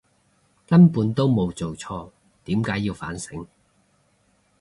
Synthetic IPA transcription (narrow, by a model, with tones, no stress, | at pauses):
kɐ˥npuː˨˥nt̪o˥wmo˨˧wt͡so˨wt͡sʰɔː˧ | t̪iː˨˥mkaː˨˥jːiː˧wfa̰ː˨˥nsɪ˨˥ŋ